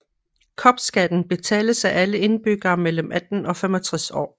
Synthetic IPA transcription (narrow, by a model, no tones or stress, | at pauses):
kʰɒ̽b̥sɡ̥æd̥n̩b̥e̝t͡sʰɛ̰ːləsæʔæləe̝nb̥yɡ̥ɐːmeləmʔæd̥n̩ɒ̽femɒt͡sʰʁasɒ̰ː